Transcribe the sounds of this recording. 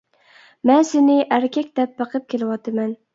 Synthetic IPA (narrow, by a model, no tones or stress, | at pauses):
mɛnsɪnɪʔæɾkʲʰɛkʲd̪̥ɛp̚bəqʰəp̚kʲʰelɪwɑt̪ʰɨmɛn